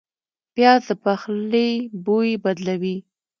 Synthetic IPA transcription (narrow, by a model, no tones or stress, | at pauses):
pjɑzd̪əpaxlebojebad̪lawi